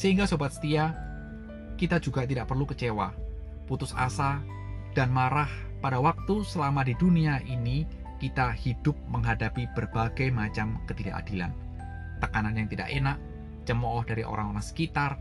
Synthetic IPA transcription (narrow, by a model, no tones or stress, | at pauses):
səɦiŋɡasobat̪̚sə̥t̪ia | kit̪ad͡ʒuɡat̪idaʔpərlukət͡ʃewa̰ | put̪ʊsa̰sa | d̥anmaɾah | padawak̚t̪usəlamadiduniaʔini | kit̪ahid̥ʊp̚məŋɦadapib̥ərbaɡajmat͡ʃamkət̪ida̰ʔa̰dila̰n | t̪əkananjaŋt̪ida̰ʔenaʔ | t͡ʃəmɔhdaɾiʔo̰ɾa̰ŋoɾaŋsə̥kit̪ar